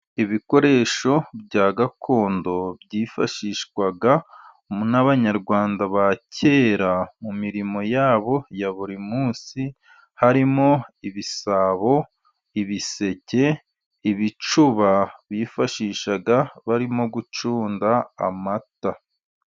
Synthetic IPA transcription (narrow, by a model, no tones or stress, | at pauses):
iβiko̞ɾe̞ːʃo̞bɟaːɡakʰo̞ːndo̞bɟiːfaʃiːʃkwaɡa | naβaɲaɾɡwaːndaβacʰe̞ːɾamumiɾimo̞jaːβo̞jaβuɾimuːsi | haɾimo̞iβisaβo̞ | iβise̞ce̞ | iβit͡ʃuβaβiːfaʃiːʃaɡaβaɾimo̞ɡut͡ʃuːnda̰ːmata